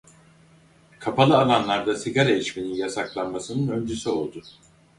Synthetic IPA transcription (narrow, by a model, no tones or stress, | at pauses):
kʰapʰalˠɯalˠanlˠaɾd̪asiɡaɾaelʲiʃme̞ninjasaklˠanmasɯnɯnø̞nd͡ʒysyo̞lˠd̪ʊ